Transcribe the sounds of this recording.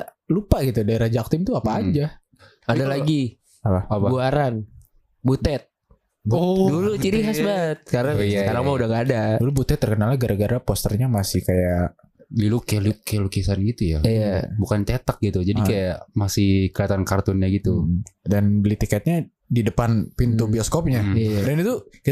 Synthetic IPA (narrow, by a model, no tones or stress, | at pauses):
lupaɡit̪udaeɾad͡ʒaːk̚t̪ɪmt̪uaaːd͡ʒa | adalaɡi | apahababuaɾan | but̪ɛt̪̚ | ɔdulut͡ʃiɾiɦasbat̪̚kaɾajasəkaɾaŋmaudaŋaːdadulubut̪ɛt̪ːərkənalɲaɡaɾʔaɡaɾapɔst̪ərɲamasɪhkaja | lilukɛlukɛlukisanɡit̪ujaijabukant͡ʃɛt̪ək̚ɡit̪ud͡ʒadikajamasɪhkiat̪ankart̪ʊnɲaɡit̪udanbəlit̪ikɛt̪̚ɲa | didəpanpint̪ubiɔskop̚ɲadanit̪uki